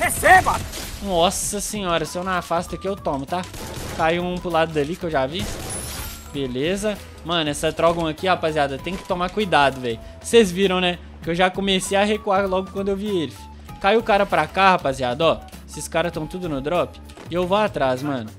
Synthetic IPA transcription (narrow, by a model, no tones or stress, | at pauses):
hesebɐnɔsɐsẽɲɔɾɐsɪewnafast̪ɐkɪewt̪õmʊt̪akajɐ̃ũpʊlad̪ʊd̪ɐlikɪewʒavi | belezɐ | mɐ̃nɛsɐt̪ɾɔɡõɐkihapaziad̪ɐt̪ẽj̃kɪ̥t̪omakujd̪ad̪ʊvɛjʊ | sezviɾɐ̃w̃nɛ | kɪewʒakõmesejɐɦekualɔɡʊkwɐ̃nd̪ʊewvielɪfɪ̥ | kajʊkaɾɐpɾakahapaziad̪ɐɔ | esɪskaɾɐst̪ɐ̃w̃t̪ud̪ʊnʊd̪ɾɔpɪ̥ | ɪewvoat̪ɾasmɐ̃nʊ